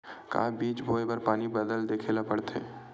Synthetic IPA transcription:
ka̰ːbiːt͡ʃbʱoːjepɐɾpaːnibəd̪əld̪eːkʰeːlapɐɽt̪ḛː

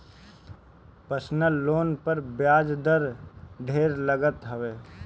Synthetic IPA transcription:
pəɾsnəlːoːnpəɾbjaːd͡ʒd̪əɾɖʱeːɾləɡət̪ɦəʋeː

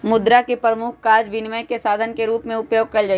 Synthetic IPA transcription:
mʊd̪ɾakepɾəmʊkʰkaːd͡ʒʋɪnməjkesaːd̪ʱənkeɾuːpmẽʊpjoːɡ̚kɐld͡ʒai

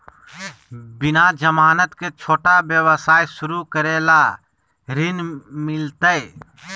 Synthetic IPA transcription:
bɪnad͡ʒəmaːnət̪ket͡ʃʰoːʈabjəwəsaːjsʊɾukəɾeːla | ɾɪnmɪlt̪əe

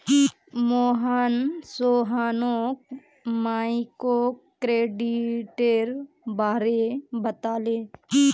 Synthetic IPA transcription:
i | moːɦaːnsoːɦaːnõ | maːikokɾeːɖiʈeɾ | baːɾebət̪aːleːi

